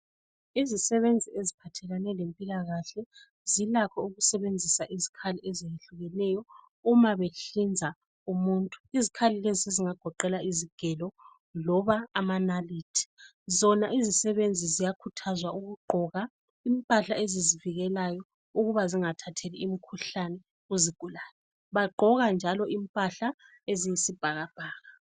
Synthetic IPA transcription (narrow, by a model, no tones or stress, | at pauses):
izisɛβend͡zʱiezipʰatʰɛlanɛlempʼilaɣaɬɛ | zilakʰɔuɣusɛβend͡zʱisaʔizikʰaliʔɛzijeɬuɣɛnɛjɔ | umaβeɬind͡zʱa | umuntʼu̥izikʰalileziseziŋaɡ̥ʱɔǃɛlaiziɡ̥ʱɛlɔ | lɔβaːmanaliːtʰi̥ | zɔnaʔizisɛβend͡zʱizijakʰutʰazwaʔuɣuɡ͡ǃʱɔɣa | impʼaɬaeziziviɣɛlajɔ | uɣuβaziŋatʰatʰeliimikʰuɬanɛ | uziɡ̥ʱulaːlɛ | βaɡ͡ǃʱɔɣand͡ʒʱalɔʔimpʼaɬa | ezijisib̥ʱaɣab̥ʱaːɣa